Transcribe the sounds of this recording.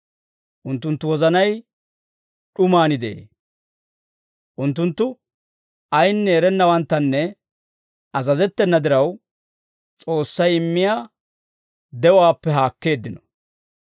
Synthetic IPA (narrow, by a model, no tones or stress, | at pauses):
ʔʊnt̪ːʊnt̪ːʊwɔzɐnɐj | ɗʊmaːnɪd̪ḛː | ʔʊnt̪̬ːʊnt̪ːʊ | ɐjnːɛːɾɛnːɐwɐnt̪ːɐnːɛ | ɐzɐzɛt̪ːɛnːɐd̪ɪɾɐw | t͡sʼo̞ːsːɐjɪmːɪjaː | d̪ɛwaːpːɛɦaːkːe̞ːd̪ːɪnɔ̥